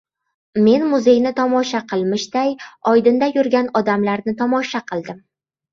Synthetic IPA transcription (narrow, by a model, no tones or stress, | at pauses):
me̞nmʊze̞jnɪt̪ʰɒmɒʃaqʰɨlˠmɪʃd̪̥ajɒjd̪ɪnd̪ajʊɾɡʲanɒd̪amlaɾnɪt̪ʰɒmɒʃaqʰɨlˠd̪ɪm